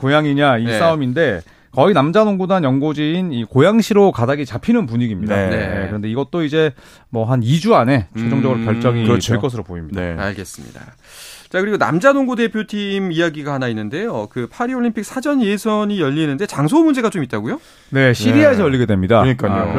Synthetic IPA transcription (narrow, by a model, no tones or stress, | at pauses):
kojaŋiɲaiaominde̞ | kʌinamd͡ʑanoŋɡudaŋjʌŋɡod͡ʑiːnikojaŋɕʰiɾokadaɡit͡ɕapʰinɯnp̬uɲiɡimɲidanje̞kɯɾʌnde̞iɡʌt͈̚oid͡ʑe̞ | mʌɦanid͡ʑuane̞t͡ɕʰed͡ʑʌŋd͡ʑʌɡɯɾopjʌɭt͡ɕ͈ʌɡit͡ɕeɭk͈ʌs̬ʰɯɾopoimɲidaa̰ɭɡe̞s͈ɯmɲḭda̰ | t͡ɕakɯɾiɡona̰md͡ʑanoŋɡude̞pʰjotʰimijaɡiɡahanainːɯnde̞jokɯpʰaɾioʎːimpʰik̚sʰad͡ʑʌnje̞sʰʌɲijʌʎːinːɯnde̞t͡ɕaŋs̬ʰomund͡ʑe̞ɡat͡ɕomit̚t͈aɡujo | ne̞ɕʰidiaes̬ʰʌjʌʎːiɡe̞dwe̞mɲidaɲik͈ao